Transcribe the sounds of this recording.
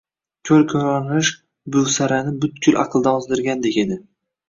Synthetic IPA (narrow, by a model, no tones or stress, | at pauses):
kʲʰɵlkʲʰɵɾɒnɪʃ | bʊsaɾanɪbʊt̪kʲʰʊlʔɑ̰qʰɨlˠd̪aɒzd̪ɪɾɡʲand̪ekʲed̪ɪ